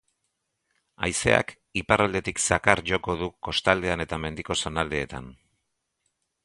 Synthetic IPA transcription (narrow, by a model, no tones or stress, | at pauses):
ajse̞̰a̰k | iparald̪e̞t̪iksakaɾʝo̞ko̞ðuko̞st̪ald̪e̞ane̞t̪ame̞nd̪iko̞so̞nald̪e̞ːt̪a̰n